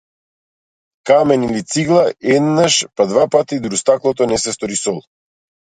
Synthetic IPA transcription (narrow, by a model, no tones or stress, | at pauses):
kamɛnilit̪siɡlˠaɛd̪naʃpad̪vapat̪id̪ɾust̪aklˠɔt̪ɔnɛsɛst̪ɔɾisɔlˠ